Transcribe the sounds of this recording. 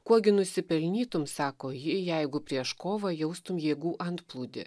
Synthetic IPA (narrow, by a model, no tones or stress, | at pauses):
kuɔɡʲɪnʊsʲɪpʲɛlʲnʲiːt̪ʊmsɑːkoːjɪjɛɪɡʊpʲɾʲiɛʃkoːʋɐjɛʊst̪ʊmjeːɡuːʔɐnt̪plˠuːd̪ʲɪ̰